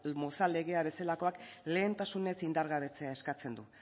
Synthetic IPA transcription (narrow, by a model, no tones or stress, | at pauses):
mo̞sale̞ɣ̞e̞aβe̞selako̞akle̞ːnt̪asune̞sind̪aɾɣaβe̞t͡se̞ae̞skat͡se̞nd̪u